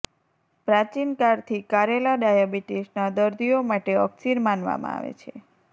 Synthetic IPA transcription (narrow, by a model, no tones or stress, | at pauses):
pɾat͡ʃinkaɾt̪ʰikaɾelaɖajabiʈisnad̪əɾd̪ʱijomaʈeəksiɾmanʋa̰mã̰a̰ʋḛt͡ʃʰḛ